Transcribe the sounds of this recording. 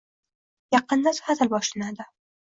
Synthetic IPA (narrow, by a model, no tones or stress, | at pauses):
jɑqːɨnd̪ashat̪ʰɪlbɒʃlanad̪ɪ